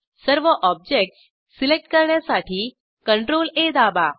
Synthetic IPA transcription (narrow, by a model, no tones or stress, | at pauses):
səɾʋəʔɔb̚d͡ʑek̚ʈs | silek̚ʈkəɾɳjasaʈʰiː | kəɳʈɾoled̪aba